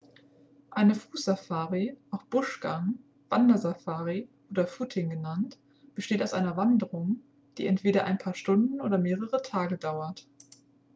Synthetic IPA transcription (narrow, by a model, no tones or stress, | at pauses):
ʔaɪnəfuːsz̥afaːʁiʔaʊxb̥ʊʃɡ̥aŋ | v̥andɐzafaːʁiʔoːdɐfuːtʰɪŋɡənant | b̥əʃteːtaʊsʔaɪnɐvandəʁʊŋ | d̥ḭːʔɛntv̥eːɾɐʔa̰ɪnpʰaːɐʃtʊndn̩ʔo̰ːdɐmeːʁəʁətʰaːɡədaʊɐt